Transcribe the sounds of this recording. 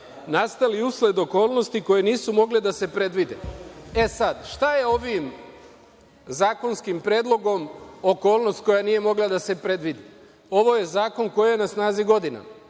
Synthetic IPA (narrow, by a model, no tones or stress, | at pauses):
nast̪aliusle̞d̪o̞ko̞ːlˠno̞st̪iko̞jeniːsumo̞ɡled̪ase̞pɾe̞d̪ʋid̪ḛesad̪ʃt̪aje̞o̞ʋim | zaːko̞nskimpɾed̪lˠo̞ɡo̞mo̞ko̞ːlno̞st̪̚ko̞janije̞mo̞ɡlad̪ase̞pɾe̞d̪ʋid̪i | o̞ʋo̞je̞zaːko̞nko̞jije̞nasnaːziɡo̞d̪ina̰